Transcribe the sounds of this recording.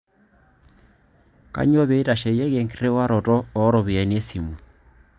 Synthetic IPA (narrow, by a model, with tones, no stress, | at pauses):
ka̰˨˦ɲ˦o˦βe˨˦ta˨ʃe˨je˦ɣe˨ŋkɾe˦wa˦ɾɔ˨tɔː˦˨˦ɾɔ˨βi˨ɛ˨ni˦e˦si˨mu˨